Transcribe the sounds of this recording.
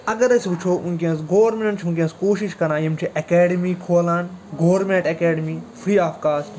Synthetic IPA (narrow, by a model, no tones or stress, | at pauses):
ɐɡəɾɐsʋut͡ʃʰoːʔunkeɐ̃nsɡoːʋɾmẽɳʈt͡ʃʰũnk̬eɐ̃nskoːʃiʃkɐɾaːjimt͡ʃʰiʔɐkeːɖimiːkʰoːlãːnɡoːʋɾmẽɳʈɐkeːɖmiːpʰɾiːaːfkaːsʈ